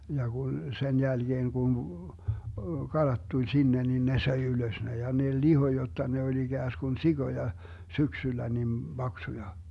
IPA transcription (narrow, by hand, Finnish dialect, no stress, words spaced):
jɑ kun sen jælɡ̊eːŋ ɡ̊un kɑlɑt tulʲ sinːe nin ne søi yløs ne jɑ ne liho jotːɑ ne olʲ iɡ̊æːskun siɡ̊ojɑ syksylːæ nim b̥ɑksujɑ